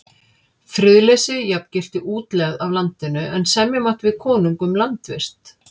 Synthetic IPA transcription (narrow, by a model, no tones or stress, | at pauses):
fɾʏðlɛsɪjapcɪl̥t̪ɪʔuːt̪lɛɣðavlant̪ɪnʏʔɛnsɛmjɛmaht̪vɪðkʰɔːnuŋkʏmlant̪vɪ̰r̥t̪